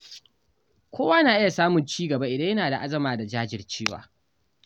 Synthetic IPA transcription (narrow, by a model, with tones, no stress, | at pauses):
kʷoː˦waː˦naː˨ʔɪ˦ja˨saː˦mʊ˨nt͡ʃiː˦ɡɐ˨ba˦ʔɪ˨dɐ˦jɐ˦naː˨da˨ʔa˦zɐ˨maː˨da˨d͡ʒaː˦d͡ʒɪ˨rt͡ʃeː˦wa̰ː˨